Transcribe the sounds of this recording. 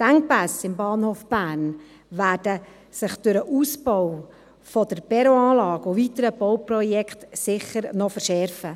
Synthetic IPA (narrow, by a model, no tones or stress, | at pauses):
dæŋpæsɪmbɑːnhoːfb̥æːɾn | ʋæːdə | sɪχd̥ʉɾəʔuːsbɔw | fɔd̥əɾb̥ɛɾoɑːlɑːɡʊvitəɾəb̥ɔwprɔjɛkχtsɪχəɾnɔfəɾʃɛɾfə